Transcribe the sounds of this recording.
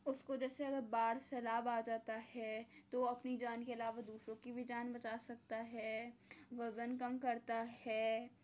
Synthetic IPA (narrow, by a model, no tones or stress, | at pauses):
ʊskod͡ʒɛːseɐɡəɾbaːɽsɛːlaːbaːd͡ʒaːt̪aɦɛt̪oɐpnid͡ʒaːnkeɐlaːʋad̪uːsɾõkibʱid͡ʒaːnbɐt͡ʃaːsɐk̚t̪aɦɛːʋɐzənkɐmkɐɾt̪aɦɛː